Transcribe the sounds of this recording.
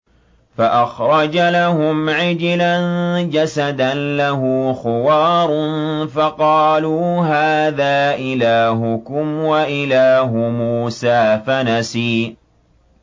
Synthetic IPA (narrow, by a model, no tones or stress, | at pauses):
faʔaxɾˤɑd͡ʒalahʊmʕɪd͡ʒland͡ʒasad̪anlaɦʊːxʊwɑːɾˤnfɑqɑːluːɦaːðaːʔɪlaːɦʊkʊmwaʔɪlaːɦʊmuːsaːfanasiː